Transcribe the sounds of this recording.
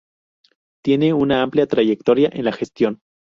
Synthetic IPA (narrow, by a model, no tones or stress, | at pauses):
t̪je̞ne̞unaampljat̪ɾaʝe̞k̚t̪o̞ɾjaʔe̞nlaxe̞st̪jo̞n